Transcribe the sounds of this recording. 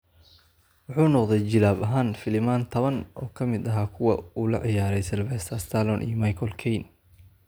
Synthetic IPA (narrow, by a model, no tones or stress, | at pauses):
wɑħuːnɔqd̪ɛjt͡ʃɪlaːbɐɦaːnfɪlɪmaːnt̪ʰɐβɐnʔɔːkʰɐmɪd̪ɐɦaːkʰʊwɐuːlɐ̰ʕɪjaːɾɛjsɛlvɛst̪ʰɐst̪ʰalɔnʔḭːjɔmajkʰɔlkʰɛjn